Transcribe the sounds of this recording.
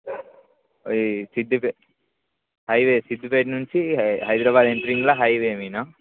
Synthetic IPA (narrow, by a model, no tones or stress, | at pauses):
sid̪ːupe | hɐjʋeːsid̪ːupeːʈnuɲt͡ʃiɦɐjd̪ɾabaːd̪eɳʈɐɾiŋɡɐlɐɦɐjʋeːminɐ